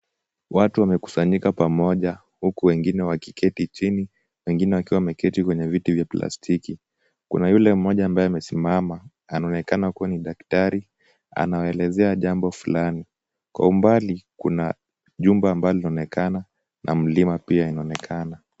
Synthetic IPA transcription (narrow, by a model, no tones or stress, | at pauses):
watuwamɛku̥saɲikapamɔʄa | hukuwɛŋɡinɛwaki̥kɛtit͡ʃini | wɛŋɡinɛwakiwamɛkɛtikwɛɲɛvitivjapla̰stʰiki | kṵnajulɛm̩mɔʄaːmbaɛamɛsimamaː | naɔnɛkanakuwaniɗaktaɾi | a̰naɛlɛzɛaʄambɔfulani | kwa̰umbalikuna | ʄumbaːmbajɔlinɔnɛkana | nʔa̰m̩limapiainaɔnɛkʰana